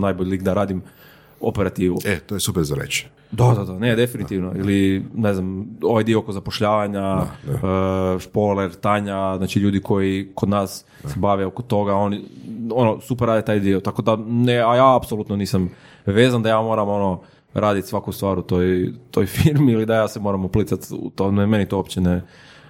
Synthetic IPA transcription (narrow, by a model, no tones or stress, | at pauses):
najboʎiliɡd̪aɾaːd̪im | o̰peɾat̪iːʋṵet̪ojesupeɾzaɾḛt͡ʃi̥ | d̪ad̪ad̪aned̪e̞finit̪iʋnoḭlineznamo̞ʋajd̪iookozapoʃʎaːʋaɲa | ʃpoleɾt̪aɲaznaːt͡ʃiʎuːd̪ikʰo̞jikod̪naːs | sebaʋeokot̪ːo̞ɡao̞nio̞nosupɾːaːd̪et̪aːjd̪iot̪ako̞d̪aneajaːapsolut̪noniːsam | ʋe̞ːzand̪ajaːmo̞ːɾamo̞no̞ | ɾʔaːd̪it̪sʋakust̪ʋaːɾut̪ojt̪o̞jfiɾmiilid̪ajaːsemo̞ːɾamuplit̪sat̪ṵt̪omemenit̪oopt͡ɕene